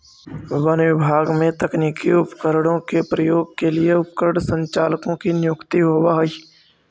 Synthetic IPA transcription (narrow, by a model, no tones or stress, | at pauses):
ʋənʋɪbʱaːɡmẽt̪əkniːkiʊpkəɾɽ̃õkepɾəjoːɡkelɪeʊpkəɾɽsə̃ɲt͡ʃaːlkõkinjʊkt̪iɦoːʋaɦi